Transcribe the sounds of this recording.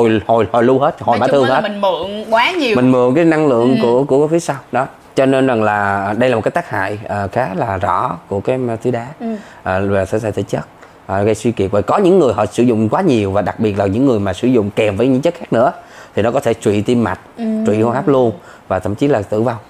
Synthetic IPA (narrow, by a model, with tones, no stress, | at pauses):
o˨˩jho˨˩jho˨˩jlu˧he˦˥t̚ho˨˩jɓaː˧˦t̪ɨ˧əŋhe˦˥tŋɨ˧˨əŋkwaː˨˦ɲi˨˩mï˨˩ŋ̟mɨ˨˧˨əŋkaː˨˦jna˧ŋlɨ̰˧˨əŋku˧˩əku˧˩ə˦fi˨˦saː˧wɗɔ˨˦ | t͡ɕɔ˧ne˧nza˨˩ŋlaː˨˩˨ɗə˧jla˨˩m˨˩t̚kːjt̪aː˦˥ha̰ː˧˨jəː˨˩xaː˨˦laː˨˩zɔ̰˧˩˥ku˧˩əkaː˨˦jt̪ʰi˨˦ɗaː˨˦ | ʔːaː˨˩t̪ʰə˨˧˦t̪sa̰ː˧˩t̪ʰi˧˩t͡ɕə˦˥t̚ | ʔːɣə˧jswi˧ki˨˩ət̚vəː˨˩kɔ˨˦ɲɨ̰˧˥ŋːɨ˨˩əjɦɔ̰˧˨sɨ̰˧˩zʊ̰˧˨ŋ͡mkwaː˨˦ɲi˨˩əwvaː˨˩ɗa˨˩k̚ɓi˨˩ət̚laː˨˩ɲɨ̰˧˥ŋːɨ˨˩əjmaː˨˩sɨ̰˧˩zʊ̰˧˨ŋ͡mkɛ˨˩mvəː˨˦ɲɨ̰˧˥ŋt͡ɕə˦˥t̚xaː˦˥k̚nɨ̰˧˥ət̪ʰi˨˩nɔ˨˦kɔ˨˦t̪ʰt͡ɕwḭ˧˨t̪i˧mːa̰˨˩t̚t͡ɕwḭ˧˨hhaː˦˥p̚lu˧ən | vaː˨˩t̪ʰə̰˧˩˨mt͡ɕi˨˦laː˨˩t̪ɨ̰˧˨va˧w